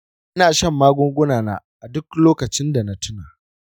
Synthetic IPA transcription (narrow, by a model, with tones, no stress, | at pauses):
ʔʔʔa˦naː˨ʃɐ˦˨mːaː˦ɡʷʊ˦ŋɡʷʊ˦naː˨naː˦ʔa˨dʊ˦kloː˦kɐ˨t͡ʃɪ˦nda˨na˦tʊ˦naː˨